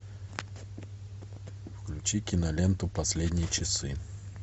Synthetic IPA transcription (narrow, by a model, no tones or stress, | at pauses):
fklʲʉt͡ɕikʲɪnɐlʲent̪ʊpɐsʲlʲedʲnʲɪjət͡ɕɪsɨ